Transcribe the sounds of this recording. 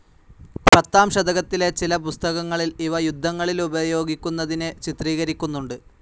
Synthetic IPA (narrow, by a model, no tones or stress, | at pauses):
ppɐt̪ːaːmʂɐd̪ɐɣɐt̪ːilet͡ɕilɐpust̪ɐɣɐŋːɐɭiliʋɐjud̪ʱːɐŋːɐɭilubɐjo̞ːɡikʲːunːɐðinɨt͡ɕit̪riːɣɐɾikʲːunːuɳɖɨ